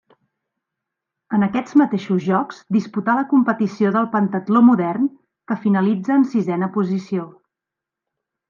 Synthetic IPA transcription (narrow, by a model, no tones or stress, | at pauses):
ənəkɛd͡zmət̪eʃuzʒɔkz̥d̪isput̪aləkumpət̪isioðəlˠpənt̪ət̪lomuðɛrn | kəfinəlid͡zəːnsizɛnəpuzisio